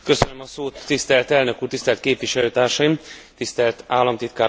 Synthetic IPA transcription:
køsønømɒsoːt̪ːist̪ɛlt̪ɛlnø̞kuːrt̪ist̪ɛlt̪keːpʋiʃɛløːt̪aːrʃɒjimt̪ist̪ɛlt̪aːlːɒmt̪it̪kaː

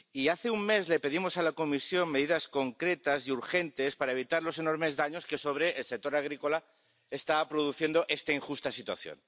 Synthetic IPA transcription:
iaθe̞uŋme̞zle̞pe̞ðimo̞salako̞misjo̞mme̞ðiðasko̞ŋkɾe̞t̪asiuɾxe̞nt̪e̞spaɾae̞β̞it̪aɾlo̞se̞no̞ɾme̞zðaɲo̞ske̞so̞β̞ɾe̞ʔːlsek̚t̪o̞ɾaɣ̞ɾiko̞la | est̪aβapɾoð̞uθje̞nd̪o̞ʔe̞st̪aiŋxust̪asit̪wa̰θjo̰n

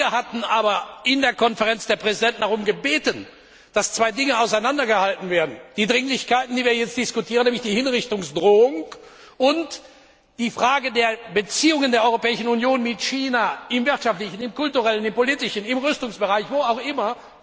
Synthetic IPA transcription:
viːɐɦatn̩ʔaːbɐʔɪndeːɐkʰɔnfəʁɛnt͡sd̥eːɐpʁ̥ɛzidɛntn̩daʁʊmɡəbeːtən | d̥ast͡sv̥aɪdɪŋəaʊsaɪnandɐɡəhaltn̩veːɐdn̩d̥iːdʁɪŋlɪçkaɪtn̩diːviːɐjɛt͡std̥ɪskʊtʰiːʁənɛːmlɪçd̥iːhɪnʁɪçtʊŋsd̥ʁoːʊŋ | ʔʊnt | d̥iːfʁ̥aːɡədeːɐbət͡siːʊŋəndeːɐʔɔʏʁopɛːɪʃn̩unjoːnmɪtçiːnaʔɪmvɪɐtʃaftlɪçn̩ɪmkʊltuʁɛlənɪmpoliːtɪʃn̩ɪmʁʏstʊŋsb̥əʁaɪçv̥oːaʊxʔɪmɐ

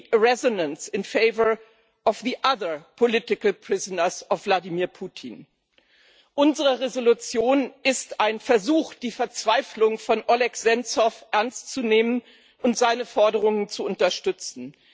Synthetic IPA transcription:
əʁɛzonənsɪnfeɪvə˞ | ʔɔfðiʔaðɐ˞pʰolɪtɪkl̩pʁ̥ɪzənɐsɔfv̥ladiːmiːɐpʰuːtʰin | ʔʊnzəʁəʁezolut͡sjoːnʔɪstʔaɪnfɛɐzuːxd̥iːfɛɐt͡sv̥aɪflʊŋfɔnʔɔlɛkz̥ɛnt͡sɔfʔɛɐnstt͡suneːmən | ʔʊntz̥aɪnəfɔɐdəʁ̞ʊŋənt͡suʊntɐʃtʏt͡sn̩

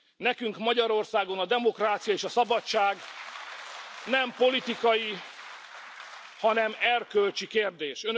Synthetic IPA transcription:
nɛkyŋkmɒɟɒɾo̞rsaːɡo̞nɒd̪ɛmo̞kraːt̪sijɒeːʃɒsɒbɒt͡ʃaːɡ | nɛmpo̞lit̪ikɒji | hɒnɛmɛrkølt͡ʃikeːrd̪eːʃøn

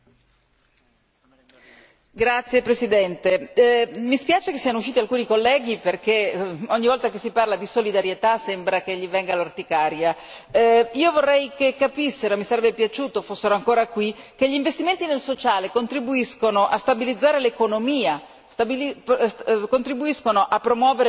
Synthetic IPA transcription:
ɡɾat̪sːjepɾesid̪ɛnt̪e | mispjaːt͡ʃekesːianouʃːiːt̪ialkuːnikolːɛːɡ̟iperkeoɲːivɔlt̪akesːiparlad̪isolid̪aɾjet̪asembɾak̟eʎːivɛŋɡalort̪ikaːɾja | iːovorːɛjkekːapisːeɾomisaɾɛbːepjat͡ʃuːt̪ofosːeɾoaŋkoːɾakwik̟eʎːiːɱvest̪iment̪inelsot͡ʃaːlekont̪ɾibuiskonoʔast̪abilid̪zːaːɾelekonomiːa | st̪abiliskont̪ɾibuiskonoʔapːɾomwɔːveɾ

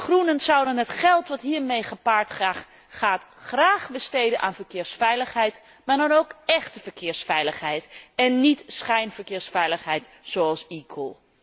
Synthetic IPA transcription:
χrunəntsʌwdənɦətχɛlˠtʋɑtɦiːɹmejχəpaːɹtχaːχ | χaːtχraːχbəstejdənʔa̰ːnvəɹkɪːɹsfɛjləχɦɛjt | maːɹdɑnowkɛχtəvəɹkɪːɹsfɛjləχɦɛjtɛnːitsχɛjnvəɹkɪːɹsfɛjləχɦɛjtz̥owɑlˠsikʰə̰lˠ

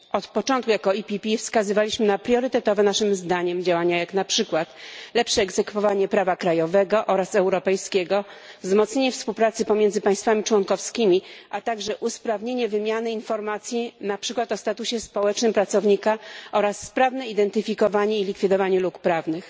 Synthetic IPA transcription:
ɔt̪pɔt͡ʂɔ̃nt̪̚kujakɔipʲipʲifskazɘvalʲiɕmɘnapɾʲjɔɾɘt̪ɛt̪ɔvɛnaʂɘmzd̪aɲɛmd͡ʑawaɲajaknapʂɘkwat̪lɛpʂɛːɡzɛkfɔvaɲɛpɾavakɾajɔvɛɡɔʔɔɾasɛwɾɔpɛjskʲeɡɔ | vzmɔt̪sɲeɲɛfspuwpɾat̪sɘpɔmʲjeɛndzɘpaj̃st̪famʲit͡ʂwɔŋkɔfskʲimʲiʔat̪aɡʐɛʔuspɾavɲeɲɛvɘmʲjanɘinfɔɾmat̪sʲjinapʂɘkwat̪ɔst̪at̪uɕɛspɔwɛt͡ʂnɘmpɾat̪sɔvɲikaʔɔɾasːpɾavnɛid̪ɛnt̪ɘfʲikɔvaɲɛilʲikfʲid̪ɔvaɲɛlukpɾavnɘx

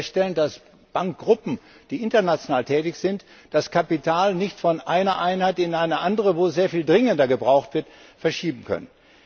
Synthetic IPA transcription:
ʃtɛləndas | b̥aŋk̚ɡ̥ʁʊpm̩ | d̥iːʔɪntɐnat͡sjonaːltʰɛːtɪçz̥ɪnt | d̥askʰapitʰaːlnɪçtfɔnʔaɪnɐʔaɪnhaɪtɪnaɪnəʔandəʁəvoːzeːɐfiːldʁɪŋəndɐɡəbʁaʊxtv̥ɪɐt | fɛɐʃiːbm̩kʰœ̰nən

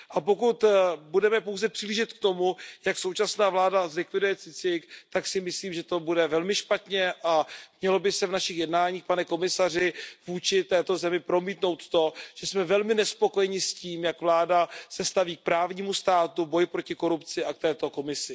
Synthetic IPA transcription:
ʔapo̞kut̪budɛmɛpo̞wzɛpr̥ɪliːʒɪt̪k̚t̪o̞mujakso̞wt͡ʃasnaːvlaːdazlɪkvɪdujɛt͡sɪt͡sɪkt̪aksɪmɪsliːmʒɛt̪o̞budɛvɛlmɪʃpat̪ɲɛʔamɲɛlo̞bɪsɛvnaʃɪxjɛdnaːɲiːxpanɛko̞mɪsar̝ɪvuːt͡ʃɪt̪ɛːt̪o̞zɛmɪpɾo̞miːt̪no̞wt̪t̪o̞ʒ̥ɛsmɛvɛlmɪnɛspo̞ko̞jɛɲɪsciːmjakvlaːdasɛst̪aviːk̚pɾaːvɲiːmust̪aːt̪ubo̞jɪpɾo̞cɪko̞ɾupt͡sɪʔak̚t̪ɛːt̪o̞ko̞mɪsɪ

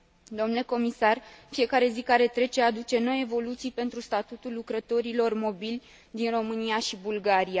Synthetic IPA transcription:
d̪omnule̞ko̞misarfie̞kaɾe̞zikaɾe̞t̪ɾe̞t͡ʃead̪ut͡ʃe̞no̞je̞vo̞lut̪sijpe̞nt̪ɾust̪at̪ut̪ulːukɾət̪o̞ɾilo̞rmo̞bilʲ | d̪inro̞mɨnijaʃibulɡaɾija

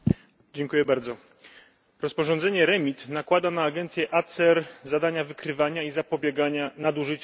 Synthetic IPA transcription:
d͡ʑɛŋkujɛbaɾd̪zɔ | ɾɔspɔʐɔ̃nd̪ɛɲɛɾɛmʲit̪nakwad̪anaːɡɛnt̪sʲjɛʔat̪sɛɾzad̪aɲavɘkɾɘvaɲaizapɔbʲjɛɡaɲanad̪uʐɘt͡ɕ

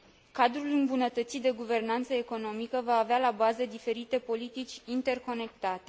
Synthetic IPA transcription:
kad̪ɾulɨmbunət̪ət̪sit̪̚d̪e̞ɡuve̞rnant̪səe̞ko̞no̞mikəvaːvealabazəd̪ife̞ɾit̪e̞po̞lit̪it͡ʃʲint̪e̞rko̞ne̞kt̪at̪e

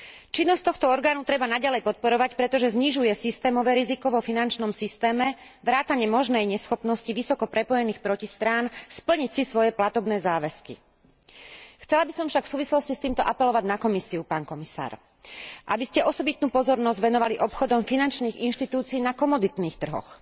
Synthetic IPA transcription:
t͡ʃinːɔsct̪ɔxt̪ɔɔɾɡaːnut̪ɾɛbanaɟalɛjpɔt̪̚pɔɾɔʋacpɾɛt̪ɔʒɛzɲiʒujɛsist̪ɛːmɔʋɛːɾizikɔʋɔfinant͡ʃnɔmsist̪ɛːmɛ | ʋɾaːt̪aɲɪɛmɔʒnɛjɲɛsxɔpnɔsciʋisɔkɔpɾɛpɔjɛniːxpɾɔcist̪ɾaːnspl̩ɲicsisʋɔjɛplat̪ɔbnɛːzaːʋɛskḭ | xt͡sɛlabisɔmfʃakfsuːʋislɔscist̪iːmt̪ɔʔapɛlɔʋaɟnakɔmisiupaːnkɔmisa̰ːɾ | ʔabiscɛɔsɔbit̪nuːpɔzɔɾnɔzɟʋɛnɔʋaliʔɔpxɔd̪ɔmfinant͡ʃniːɣinʃt̪it̪uːt͡siiːnakɔmɔd̪it̪niːxt̪r̩ɦɔ̰x

